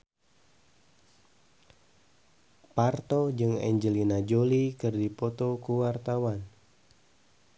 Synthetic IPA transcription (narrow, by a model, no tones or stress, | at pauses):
part̪ɔd͡ʒɨŋɛ̰ɲd͡ʒəlinad͡ʒolikɨrdipɔt̪ɔkuwart̪awan